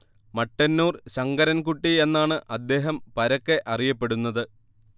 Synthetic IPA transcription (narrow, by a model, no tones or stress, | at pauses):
mɐʈːɐnːuːrɕɐŋɡɐɾɐnkuʈːie̞nːaːɳɨʔɐd̪ːe̞ːɦɐmpɐɾɐkːe̞ʔɐrijɐpːe̞ɽunːɐðɨ